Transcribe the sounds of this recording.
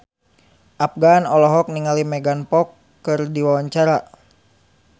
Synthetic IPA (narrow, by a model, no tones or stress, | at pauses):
ʔap̚ɡanɔlɔɦɔk̚niŋalimɛɡanpɔkː | ɨrdiwawaɲt͡ʃaɾa